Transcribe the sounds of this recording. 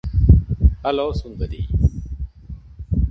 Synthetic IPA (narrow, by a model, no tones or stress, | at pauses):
ɐloːsund̪əd̪ḭː